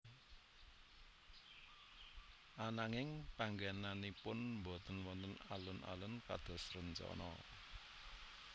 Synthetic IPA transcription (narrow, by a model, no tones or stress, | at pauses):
ʔanaŋɪŋpaŋɡananipʊnmbɔt̪ənwɔnt̪əna̰lʊnʔa̰lʊnka̰d̪̥ɔ̤srənt͡ʃɔ̰nɔ̰